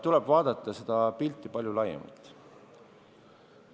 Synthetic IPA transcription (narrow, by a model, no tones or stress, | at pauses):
t̪ulɛb̥vɑːd̪̥ɑt̪ːˑɑse̞d̪̥ɑpilt̪ːˑipɑlʲjulɑjḛmɑ̰lt̪ˑ